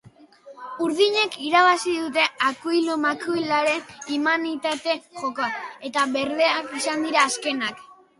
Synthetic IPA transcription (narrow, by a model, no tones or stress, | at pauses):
uɾð̞iɲe̞kiɾaβ̞asiðut̪e̞akujlumakuilaɾe̞nimanit̪at̪e̞ʝo̞koae̞t̪aβe̞ɾðe̞akisand̪iɾaːske̞nak